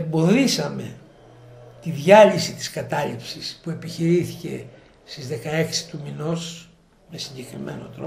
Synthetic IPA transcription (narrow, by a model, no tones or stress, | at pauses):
embo̞ðisɐme̞̰ | t̪iðʝɐlisit̪i̥skɐt̪ɐlipsispue̞piçiɾiθice̞̰ | st̪izðe̞kɐe̞ksi̥t̪umino̞s | me̞siɲɟe̞kɾime̞̰no̞̰t̪ɾo